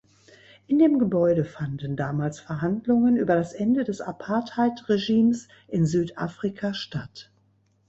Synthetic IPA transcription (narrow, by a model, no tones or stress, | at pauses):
ʔɪndeːmɡəbɔʏɾəfandn̩daːmaːlsfɛɐɦandlʊŋənʔyːbɐɾasʔɛndədɛsʔapʰaɐthaɪtʁeʒiːms | ʔɪnzyːtʔaːfʁ̥ikʰaʃtat